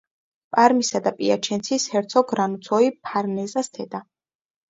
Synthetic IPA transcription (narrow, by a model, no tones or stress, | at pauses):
pʼaɾmisad̪apʼiat͡ʃʰɛnt̪sʰishɛɾt̪sʰɔɡɾanut̪sʰɔipʰaɾnɛzast̪ʰɛd̪a